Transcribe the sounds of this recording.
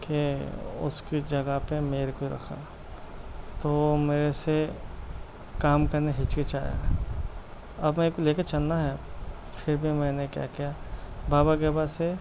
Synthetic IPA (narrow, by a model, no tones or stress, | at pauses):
keʊ̰skid͡ʒɐɡəpemeːɾekoɾɐ̰kʰa̰ | t̪oːmeːɾese | kaːmkɐɾneɦɪt͡ʃket͡ʃaːja̰ | ɐbmɛ̃ːekoleːket͡ʃɐlnaɦɛ | pʰɪɾbʱimɛ̃ːnekja̰kijabaːbaɡeːbase